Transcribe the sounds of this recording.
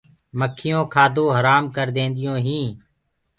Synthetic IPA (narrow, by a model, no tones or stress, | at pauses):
məkʰːɪjõːkʰaːd̪õːɦəɾaːmkəɾd̪ẽːnd̪ɪjõːɦĩː